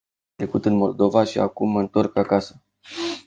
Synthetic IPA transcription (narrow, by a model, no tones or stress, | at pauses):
t̪ɾe̞kut̪ɨnmo̞ld̪o̞vaʃia̰kumːəɨnt̪o̞rkakasə̥